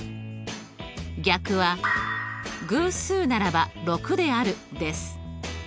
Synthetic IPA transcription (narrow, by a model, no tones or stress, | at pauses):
ɡʲakɯ̟βa | ɡɯ̟ːsɨːnaɾabaɾo̞kɯ̟d̪e̞aɾɯ̟d̪e̞sɨ̥